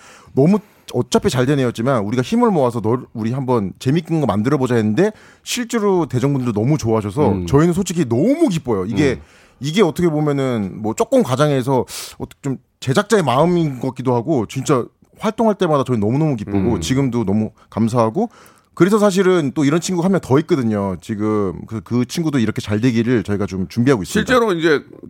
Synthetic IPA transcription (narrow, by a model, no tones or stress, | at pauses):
nʌmu | ʌt͡ɕ͈apʰit͡ɕaɭdene̞jʌt̚t͡ɕ͈imanuɾiɡaçimɯɭmʌas̬ʰʌnʌuɾiɦambʌnt͡ɕe̞mik͈ɯnɡʌmandɯɾʌbod͡ʑaenɯnde̞ | ɕʰiɭt͡ɕ͈e̞ɾote̞d͡ʑʌŋbundɯdonʌmut͡ɕoaɦaɕʰʌs̬ʰʌt͡ɕʌinɯnsʰot͡ɕʰikʰinʌmuk̬ip͈ʌjoiɡe̞ | iɡe̞ʌtʰʌkʰe̞bomjʌnɯnmʌt͡ɕ͈ok͈ɯmkad͡ʑaŋe̞s̬ʰʌʌtʰʌkʰt͡ɕom | t͡ɕe̞d͡ʑak̚t͡ɕ͈aemaɯminɡʌk͈idoɦaɡot͡ɕint͡ɕ͈a | ɸwaɭt͈oŋɦaɭt͈e̞madat͡ɕʌinnʌmunʌmuk̬ip͈oɡot͡ɕiɡɯmdonʌmu | kams̬ʰaɦaɡo | kɯɾe̞s̬ʰʌs̬ʰaɕ̬ʰiɾɯnt͈oiɾʌnt͡ɕʰinɡuɦamjʌntʌik͈ʌdɯɲot͡ɕiɡɯmkɯsʰʌkɯt͡ɕʰinɡudoiɾʌkʰe̞t͡ɕaɭdwe̞ɡiɾɯɭt͡ɕʌiɡat͡ɕomt͡ɕumbiɦaɡois͈ɕʰiɭt͡ɕ͈e̞ɾoind͡ʑe̞